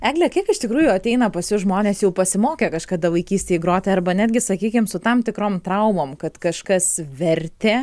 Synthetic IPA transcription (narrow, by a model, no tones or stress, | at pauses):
æːɡlʲɛkʲiɛkɪʃt̪ʲɪkɾuːjʊɐt̪ʲɛɪnɐpɐsʲjʊʒmoːnʲeːsjɛʊpɐsʲɪmoːkʲekɐʃkɑːd̪ɐʋɐɪkʲiːsʲt̪ʲeːɡɾoːt̪ʲeɐrbɐnʲæːd̪ʲɡʲɪsɐkʲiːkʲɪmsʊt̪ɐmt̪ʲɪkɾoːmt̪ɾɐʊmoːmkɐt̪kɐʃkɐsʋʲɛrʲt̪ʲeː